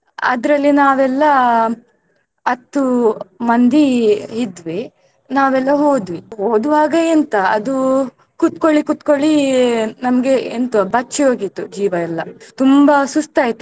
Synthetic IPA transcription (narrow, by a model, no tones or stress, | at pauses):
ɐ̰d̪ɐɾɐlːinaːʋɛlːɐ | ɐt̪ːumɐnd̪iid̪ʋi | naːʋɛlːɐɦoːd̪ʋiɦoːd̪uʋaːɡɐɛnt̪ɐɐ̰d̪u | kut̪koɭikut̪koɭinɐmɡeent̪ubɐt͡ʃːioːɡit̪ːud͡ʒiːʋɐɛlːɐt̪umbɐsust̪aːjt̪ːu